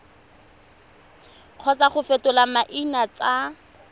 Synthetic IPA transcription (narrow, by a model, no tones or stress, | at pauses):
q͡χʰɔt͡saχʊfetʊlamaʔinat͡sʼa